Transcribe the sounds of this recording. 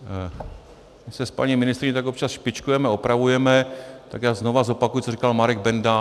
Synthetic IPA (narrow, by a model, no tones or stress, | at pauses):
mɪsɛspa̰ɲimɪnɪst̪ɾɪɲɛt̪ako̞p̚t͡ʃasʃpɪt͡ʃkujɛmɛopɾavujɛmɛt̪akjaːznovazo̞pakujɪt͡sorikalmaɾɛɡ̚bɛnda